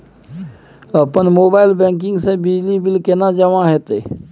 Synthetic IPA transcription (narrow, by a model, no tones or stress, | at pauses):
əpənmoːbaːɪlbɛ̃ːŋk̬ɪ̃ŋɡsẽbɪd͡ʒlibɪlkenad͡ʒəmãɦɛːt̪ḛː